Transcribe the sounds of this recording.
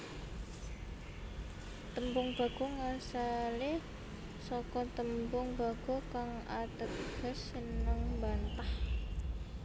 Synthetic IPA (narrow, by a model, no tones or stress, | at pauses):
t̪əmbʊŋb̥a̤ɡ̥o̤ŋasale | sɔkɔt̪əmbʊŋba̤ɡ̥o̤kaŋat̪əɡ̥ə̤sənəŋmbant̪ah